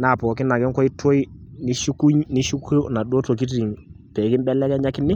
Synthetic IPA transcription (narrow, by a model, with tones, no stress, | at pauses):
na˨po˨ki˦nːa˨ɡi˦ŋkɔ˦i˦tʰo˦i˦ni˦ʃu˦ku˦ɲni˦ʃu˦kʰə˦na˨do˦to˨ki˦t̬i˨ŋ | pe˨ki˦nbɛ˦lːe˦ke˦ɲa˦ki˦nːi˦